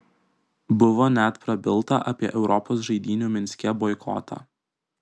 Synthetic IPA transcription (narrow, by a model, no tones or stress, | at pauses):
bʊʋoːnʲæt̪pɾɐbʲɪlˠt̪ɐʔɐpʲiɛʔɛʊɾɔpoːs̬ʒɐɪd̪ʲiːnʲuːmʲɪnʲsʲkʲɛbɔɪkʰɔ̰t̪ʰɑ̰